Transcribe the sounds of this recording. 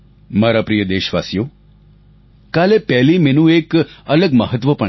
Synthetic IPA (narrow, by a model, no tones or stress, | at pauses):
maɾapɾijəd̪eʃʋasjo | kalepɛɦlimenũekələɡməɦət̪ʋəpə